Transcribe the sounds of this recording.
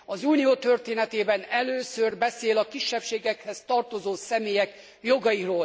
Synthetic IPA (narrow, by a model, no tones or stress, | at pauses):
ɒzuːnijoːt̪ørt̪eːnɛt̪eːbɛnɛløːsørbɛseːlɒkiʃːɛpʃeːɡɛkhɛst̪ɒrt̪o̞zoːsɛmeːjɛk | jo̞ɡɒjiroːl